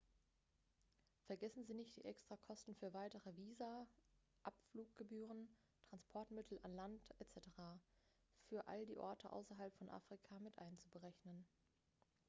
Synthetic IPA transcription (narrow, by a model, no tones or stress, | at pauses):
fɛɐɡɛsn̩ziːnɪçt̚d̥ḭːʔɛkstʁ̥akʰɔstn̩fyːɐvaɪtəʁəviːza | ʔapfluːk̚ɡ̥əbyːʁ̞ən | tʁ̥anspʰɔɐtmɪtʰl̩anlantʔɛt͡sɛtəʁa | fyːɐʔa̰ldiːʔɔɐtʰəʔa̰ʊsɐɦalpfɔnʔa̰ːfʁ̥ikʰamɪtʔaɪnt͡subəʁɛçnən